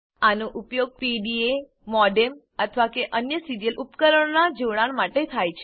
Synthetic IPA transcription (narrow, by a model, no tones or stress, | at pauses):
anoʔupjoɡ̚piɖie | mɔɖem | ət̪ʰʋakeʔənjəsiɾijəlʔupkəɾəɳ̃nad͡ʒoɭaɳmaʈet̪ʰajt͡ʃʰe